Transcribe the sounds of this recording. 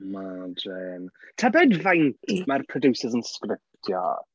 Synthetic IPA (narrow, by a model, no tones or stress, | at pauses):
madeːntʰabɛdvajntʰmarpʰrɔdusəzənskrɪp̚tʰjɔ̰